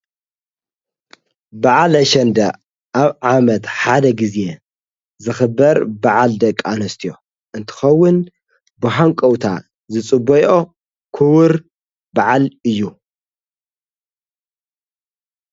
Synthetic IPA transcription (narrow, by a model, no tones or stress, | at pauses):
baʕalɐʃɐnd̪ɐ | ʔaβʕamɐt̪ħad̪ɐɡizje | zɨxɨbːɐɾbaʕald̪ɐkʼːanɐst̪ʰijo̞ | ʔɨnt̪ʰɨ̥xɐwːʊn | bɨħaŋkʼɐwt̪ʰa̰ | zɨt͡sʼɨbojʔo̞ | kʰɨwɨɾ | baʕalɨjːu